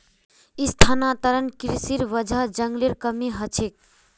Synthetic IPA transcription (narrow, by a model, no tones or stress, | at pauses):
ist̪ʰanat̪əɾənkɾisiɾʋəd͡ʒʱəd͡ʒəŋɡliɾkəmiɦət͡ʃʰek̚